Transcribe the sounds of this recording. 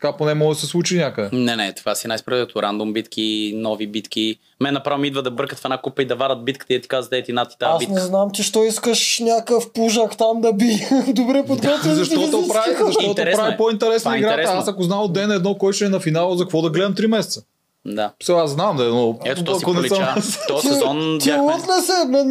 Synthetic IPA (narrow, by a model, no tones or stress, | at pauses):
t̪kaponɛmɔɡd̪ɐsɛslˠut͡ʃinʲakəd̪ɛnɛnɛt̪o̥vasinajspɾɛt̪ʊɾand̪ʊmbit̪kʲʰinɔvibit̪kʲi | mɛnːɐpɾavimid̪vəd̪ɐbɤɾkət̪fɛnakupəid̪ɐvaɾət̪̚bit̪kə̥t̪id̪ət̪i̥kazɐt̪ɛt̪inat̪ːi̥t̪aasinɛznamt͡ʃɛʃt̪ɔiskəʃnʲakəfpuʒakt̪amd̪ɐbid̪obɾɛpod̪ɡɔt̪vɛszɐʃt̪ɔt̪opɾavizɐʃt̪ɔt̪ʊɾɛp̪avipoint̪ɛɾɛsnəiɡɾaɾɐasɐkʊznamod̪ɛnɛd̪nɔkɔjt͡ʃɛːnɐfinalˠəzɐkvɔd̪ɐɡlɛd̪ɐmt̪ɾimɛsɛt̪sə | d̪asɛasznamd̪ɐɛd̪nɔɛt̪ot̪ɐkonɛsəmsɔɔnt̪ot̪nɛsɛmɛn